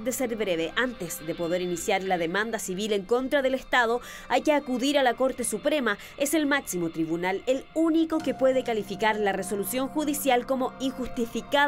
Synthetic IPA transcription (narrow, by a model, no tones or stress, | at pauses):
d̪eseɾβɾeβ̞eʔant̪esðe̞po̞ðe̞ɾinisjaɾlaðemãnd̪asiβileŋko̞nt̪ɾaðe̞lest̪að̞o̞ | ajkeakuðiɾalako̞ɾt̪esupɾe̞ma | e̞se̞lmaksimo̞t̪ɾiβunaleluniko̞ke̞pweð̞e̞kalifikaɾlareso̞lusjo̞ŋxuðisjalko̞mo̞iŋxust̪ifika